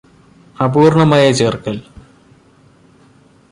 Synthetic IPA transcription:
ɐbuːrɳɐmaːjɐt͡ɕeːrkːɐl

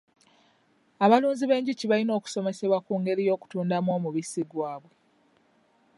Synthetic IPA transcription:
aβaluːnziβe̞ːɲɟiciβalino̞ːku̥so̞me̞se̞βwakuːŋɡe̞ɾijo̞ːku̥tuːndamwo̞ːmuβisiɡwaːβwe̞

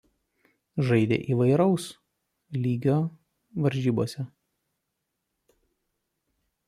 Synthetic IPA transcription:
ʒɐɪd̪ʲḛːʔiːʋɐɪɾɒʊs | lʲiːɡʲoː | ʋɐɾʲʒʲiːboːsʲɛ

